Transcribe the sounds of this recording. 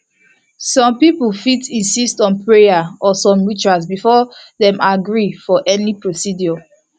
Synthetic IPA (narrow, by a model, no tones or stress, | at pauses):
sɔ̃mpipulfitĩnsistɔ̃npʰɹejaɔsɔ̃mɹit͡ʃas̬bifɔðɛ̃mʔaɡɹifɔʔɛnipɹosidjɔ